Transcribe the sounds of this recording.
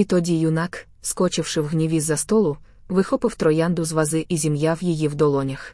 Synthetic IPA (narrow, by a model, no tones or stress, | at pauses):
it̪ɔdʲijʊnɑk | skɔt͡ʃɪwʃɪwɦnʲiʋʲizːɐst̪ɔlˠʊ | ʋɪxɔpɪwt̪ɾɔjand̪ʊzʋɐzɪʔizʲimjawjijiwd̪ɔlˠɔnʲɐx